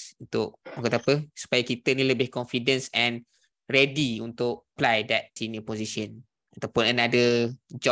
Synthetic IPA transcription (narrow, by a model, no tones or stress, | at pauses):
unt̪ʊʔakət̪apəsu̥pajakit̪ənĩləbɪhkɔnfidə̃nsɛ̃n | rɛdiunt̪ʊʔ̚plajdɛt̪̚sinjəpɔzisə̃n | at̪awpʊnənadəd͡ʒɔ